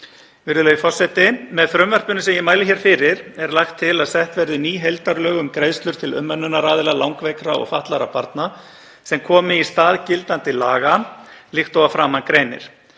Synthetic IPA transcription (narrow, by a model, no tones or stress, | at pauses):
vɪɾðʏlœɥjʏfɔr̥sɛt̪ɪmɛðfɾʏmvɛr̥pʏnʏsɛmjɛmaːjlɪçɛɾ̥fɪɾɪɾɛɾlaxt̪ʰːɪlaðsɛht̪vɛɾðʏniːɦejlt̪aɾlœːɣʏmkɾejðst̪lʏɾ̥t̪ʰɪlʏ̰mːœnːʏnaɾaːðɪlalawŋkvejkɾaɔ̰ɣfaht̪laɾa̰paɾt̪na | sɛmkʰɔːmɪist̪aːðcɪlt̪ant̪ɪla̰ːɣalixt̪owvafɾaːmankɾeːjnɪ̰ɾ̥